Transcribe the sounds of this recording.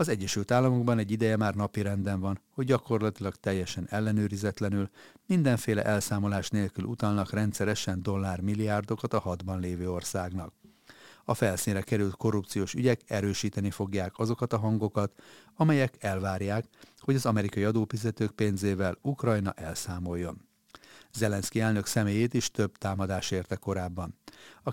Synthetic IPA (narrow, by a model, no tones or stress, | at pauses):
ɒzɛɟːɛʃylt̪aːlːɒmo̞ɡbɒnɛɟːid̪ɛjɛmaːrnɒpiɾɛnd̪ɛɱvɒnho̞ɟɟɒko̞rlɒt̪ilɒkt̪ɛjːɛʃɛnɛlːɛnøːɾizɛt̪lɛnylmind̪ɛɱfeːlɛ̰ʔɛlsaːmo̞laːʃneːlkylʔut̪ɒlnɒkrɛnt̪sɛɾɛʃɛnd̪o̞lːaːrmilːijaːrd̪o̞kɒt̪ɒɦɒd̪bɒnleːvøːo̞rsaːɡnɒk | ɒfɛlsinrɛkɛɾylt̪ko̞rːup̚t̪sijoːʃyɟɛkɛɾøːʃiːt̪ɛnifo̞ɡjaːkɒzo̞kɒt̪ɒɦɒŋɡo̞kɒt̪ɒmɛjɛkɛlvaːrjaːkho̞ɟɒzɒmɛɾikɒiɒd̪oːfizɛt̪øːk̚peːnzeːvɛlukrɒjnɒ̰ʔɛlsaːmo̞jːo̞n | zɛlɛnskiɛlnø̞ksɛmeːjeːt̪iʃt̪ø̞bt̪aːmɒd̪aːʃeːrt̪ɛkːo̞ɾaːbːɒnɒ